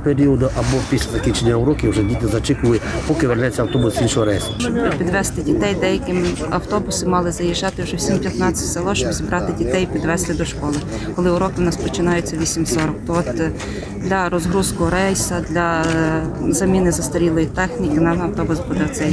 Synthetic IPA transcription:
peɾʲiɔd̪ʊʔɐbɔpʲisʲlʲɐzɐkʲit͡ʃenʲːɐʊɾɔkʲɪwʒɛdʲit̪ʲɪzɐt͡ʃɪkʊlɪpɔkɪʋernɛt͡sʲːɐwt̪ɔbʊsinʃɔɦɔɾɛjsɐt͡ʃɔbpʲid̪ʋɛst̪ɪdʲit̪ɛjd̪ɛjɐkɪm | ɐwt̪ɔbʊsɪmɑlˠɪzɐjiʒːɑt̪ɪwʒɛwsʲimpʲjɐt̪nɑt͡sʲːɐ̥tʲselˠɔʃt͡ʃɔbzʲibɾʔɑt̪ɪdʲit̪ɛjpʲid̪ʋɛst̪ɪd̪ɔʃkɔlˠɪ | kɔlˠɪʊɾɔkʋnɑspɔt͡ʃɪnɑjet͡sʲːɐʋʲisʲimsɔɾɔk̚t̪ɔɔt̪ | d̪lʲɐɾɔzɦɾuskɔɦɔɾɛjsɐd̪lʲɐ | zɐmʲinɪzɐst̪ɐɾʲilˠɔjit̪ɛxnʲikɪnɑnɐwt̪ɔbʊsbud̪ɛɔt̪sɛj

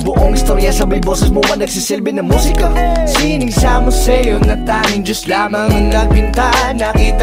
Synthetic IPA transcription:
bʊʔoŋʔɪst̪oɾjɐsɐbɐjboːsɛsmobɐnɐɡ̥sisɛlbɛnɐmuːsɪkɐsinɪŋsamʊsɛjonɐt̪aːmɪŋd͡ʒɐst̪laːmɐŋɐŋnɐɡ̚pɪnt̪aʔnɐkiːt̪

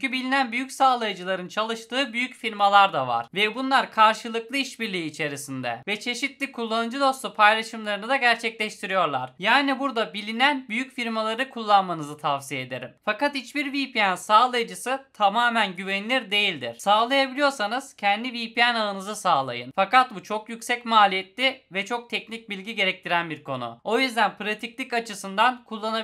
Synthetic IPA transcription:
ybilʲinænbyjycsaːlˠajɯd͡ʒɯlˠaɾɯnt͡ʃʰalˠɯʃt̪ɯːbyjycfiɾmalˠaɾd̪ava̰ɾ̥vɛbunlˠaɾkʰaɾʃɯlˠɯklˠɯiʃbiɾlʲiːt͡ʃʰe̞ɾisind̪ɛ̰vɛt͡ʃʰe̞ʃit̪lʲikʰulˠːanɯd͡ʒɯd̪o̞slˠupʰajlʲˠaʃɯmlˠaɾɯnɯd̪aɟæɾt͡ʃʰɛclʲɛʃt̪ʰiɾijo̞ɾlˠa̰ɾ̥jaːnibuɾd̪abilʲinænbyjycfiɾmalˠaɾɯkʰulˠːanmanɯzɯt̪ʰafsijed̪e̞ɾḭmfakat̪hit͡ʃbiɾvipʰiænsaːlˠajd͡ʒɯsɯt̪ʰamaːmænɟyvenilʲiɾd̪e̞jilʲd̪ḭɾ̥saːlˠajabilʲijo̞ɾsanɯz̥cʰɛnd̪ivipijænaɯnɯzɯsaːlˠa̰jɯnfakat̪̚but͡ʃʰo̞kjycsɛcmaːlʲijɛt̪lʲivɛt͡ʃʰo̞k̚t̪ʰɛcnic̚bilʲɟiɟe̞ɾɛc̚t̪ʰiɾænbiɾkʰo̞̰nṵo̞jyzd̪ænpɯɾat̪ʰiclʲicat͡ʃʰɯsɯnd̪ankʰulˠːana

